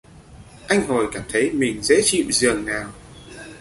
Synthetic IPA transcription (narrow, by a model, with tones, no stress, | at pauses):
ʔa˧jŋ̟ɦo˨˩jkaː˧˩mt̪ʰə˨˦jmï˨˩ŋ̟zḛ˧˥t͡ɕḭ˧˨wzɨ˨˩əŋnaː˨˩w